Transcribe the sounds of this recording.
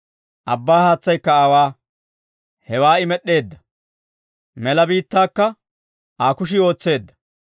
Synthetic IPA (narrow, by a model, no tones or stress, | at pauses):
ʔɐbːaːhaːt͡sːɐjkːɐaːwaː | hɛwaːɪmɛɗːe̞ːd̪ːɐ̥ | mɛlɐbiːt̪ːaːkːɐ | ʔaːkʊʃ̬ɪo̞ːt͡sːe̞ːd̪ːɐ̥